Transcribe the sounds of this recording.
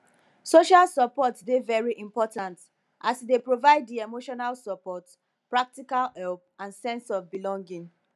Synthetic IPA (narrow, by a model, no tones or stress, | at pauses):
soʃalsɔpɔtdevɛɹiʔĩmpɔtãnt | ʔasdepɹovaɪddiemoʃɔnalsɔpɔt | pɹak̚tikalhɛlˠp̚ãnsɛ̃nsɔvbilɔ̃ŋɡĩŋ